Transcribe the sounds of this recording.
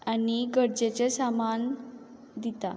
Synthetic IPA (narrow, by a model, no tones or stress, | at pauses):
aniɡəɽd͡ʑet͡ɕesaman | d̪it̪a̰